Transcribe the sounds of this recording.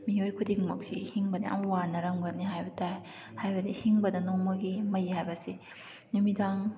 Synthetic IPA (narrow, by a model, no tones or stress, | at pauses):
miojkʰudiŋmɐk̚sḭhiŋbɐnḭʔɐ̰mɐwanɐɾɐmɡɐniɦajbɐtaj | hajbɐdihiŋbɐdɐnɔŋmɐɡimɐjhajbɐsi | numidaŋ